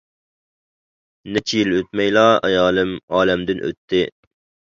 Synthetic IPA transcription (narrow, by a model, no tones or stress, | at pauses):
nɪt͡ʃʰijiløt̪̚mɛjlˠɑɛ̰jɑːlˠɪmɑːlɛmd̪ɪnʔø̰t̪ʰːɪ